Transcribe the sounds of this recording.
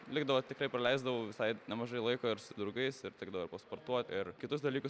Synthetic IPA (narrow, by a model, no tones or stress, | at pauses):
lʲɪɡd̪ɐʋoːt̪ʲɪkrɐɪprɐlʲɛɪzd̪ɐʋoːʋʲɪsɐɪnʲɛmɐʒɐɪlˠɐɪkoːɪɾsʊd̪ɾʊɡɐɪsɪɾtʲɪɡd̪ɐʋoːɪɾpɐspoːrt̪uɔt̪ʲɪrkʲɪt̪ʊs̬d̪ɐlʲiːkʊs